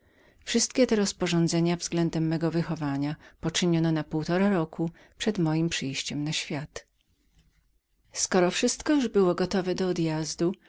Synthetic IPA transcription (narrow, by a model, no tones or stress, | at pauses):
fʂɘst̪kʲɛt̪ɛɾɔspɔʐɔnd̪zɛɲavzɡlɛnd̪ɛmːɛɡɔvɘxɔvaɲapɔt͡ʂɘɲɔnɔnapuwt̪ɔɾaɾɔkʰu | pʂɛd̪mɔjimpʂɘjɕt͡ɕɛmnaɕfʲjat̪ | skɔɾɔfʂɘst̪kɔjuʐbɘwɔɡɔt̪ɔvɛd̪ɔːd̪jazd̪u